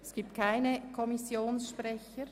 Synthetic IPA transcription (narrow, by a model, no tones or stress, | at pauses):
ɛsɡ̥iːp̚t̚kʰaɪnəkʰɔmisjoːnsʃpʁɛçəɾ